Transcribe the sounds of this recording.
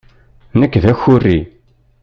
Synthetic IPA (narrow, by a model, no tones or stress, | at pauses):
nəkːðæçːʊrːi